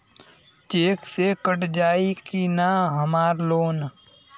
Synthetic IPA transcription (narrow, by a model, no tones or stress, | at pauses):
t͡ʃeːksekəʈd͡ʒaːikinaɦəmaːɾloːn